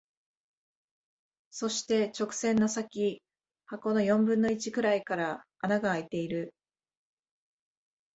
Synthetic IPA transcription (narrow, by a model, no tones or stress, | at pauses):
so̞ɕi̥t̪e̞t͡ɕo̞kɯ̟̥sẽ̞nːosakʲi | hako̞no̞jõ̞mbɯ̃nːo̞it͡ɕikɯ̟ɾaikaɾa | anaɡaːit̪e̞iɾɯ̟